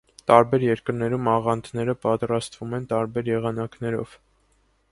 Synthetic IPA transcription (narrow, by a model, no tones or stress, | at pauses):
t̪ɑɾbɛɾjɛɾkəɾnɛɾumɑʁɑnd̪ʰnɛɾəpɑt̪ɾɑst̪vumɛnt̪ɑɾbɛɾjɛʁɑnɑknɛɾɔ̰v̥